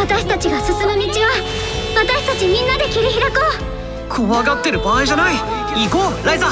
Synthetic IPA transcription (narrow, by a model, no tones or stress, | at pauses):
at̪aɕi̥t̪at͡ɕiɡasɨsɨmɯmʲit͡ɕia | βat̪aɕi̥t̪at͡ɕimʲĩnːad̪e̞kʲiɾʲiçiɾakoː | kʰoβaɡat̪ːeɾɯ̟baːiʑanai | iɡoɾʔaiza